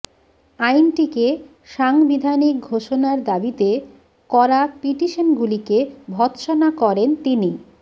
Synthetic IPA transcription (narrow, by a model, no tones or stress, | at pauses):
ajnʈike | ʃaŋbid̪ʱanik̚ɡʱoʃonaɾd̪abit̪e | kɔɾapiʈiʃonɡulikebʱɔt̪ʃonakɔɾent̪ini